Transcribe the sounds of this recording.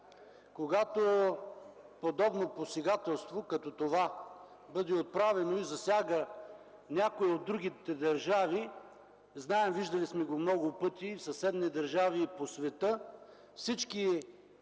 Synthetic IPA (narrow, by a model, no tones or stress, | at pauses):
koɡat̪o | pod̪ɔbnoposɛɡat̪ɛlˠst̪vokɐt̪ɔt̪ova | bɤd̪ɛot̪̚pɾavɛnoizɐsʲaɡə | nʲakoiod̪ːɾuɡ̟it̪ɛd̪ɐɾʒavi | znaɛmviʒd̪ɐlismɛɡomnɔɡʊpɤt̪ifsɐsɛd̪nid̪ɐɾʒaviːposvɛt̪ɤ | fsit͡ʃki